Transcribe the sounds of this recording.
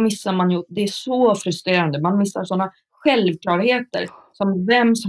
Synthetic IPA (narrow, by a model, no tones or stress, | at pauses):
mɪsːaɾmanjɵd̪ɛæʂɔfɾɵst̪ɾeːɾand̪əmanmɪsːaɾʂɔnːa | ɧɛlvklɑːɾheːt̪ə̰ɾsɔmvɛmːsɔ